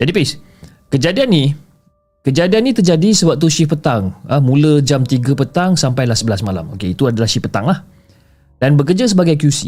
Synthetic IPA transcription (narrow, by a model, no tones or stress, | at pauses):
d͡ʒadipis | kəd͡ʒadianːi | kəd͡ʒadianːĩt̪ərd͡ʒadisəwak̚t̪uʃipət̪aŋəmũləd͡ʒamt̪iɡəpət̪aŋsampajlahsəbəlasmala̰mo̰keit̪uadalahʃipət̪aŋlah | danbək̬ərd͡ʒas̬əbaɡajkjusi